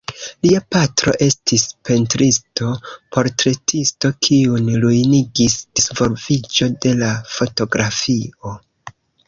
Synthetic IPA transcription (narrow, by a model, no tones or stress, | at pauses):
liapatɾo̞̰ʔe̞stispe̞ntɾisto̞pʰo̞ɾtɾe̞tʰisto̞kʰiunlujniɡisd̥isvo̞lvid͡ʒo̞de̞lafo̞to̞ɡɾafio̞